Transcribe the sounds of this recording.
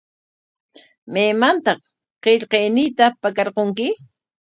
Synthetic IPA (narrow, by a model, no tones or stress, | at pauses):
meːmant̪ɑχ | qeʎqejnɪjt̪apakaɾqoŋkɪ